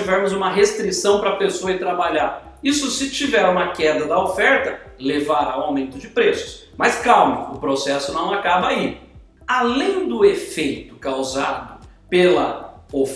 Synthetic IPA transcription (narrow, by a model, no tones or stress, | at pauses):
ivɛɾmʊzũmɐɦest̪ɾisɐ̃w̃pɾɐpesoɐɪt̪ɾabaʎaɾ | isʊsɪt͡ʃivɛɾũmɐkɛd̪ɐd̪ɐofɛɾt̪ɐ | levaɾaw̃aw̃mẽnt̪ʊd͡ʒɪpɾesʊ̥s | mɐskawmɐʊpɾosɛsʊnɐ̃w̃akabɐi | alẽj̃d̪ʊefejt̪ʊ̥kawzad̪ʊ | pelɐof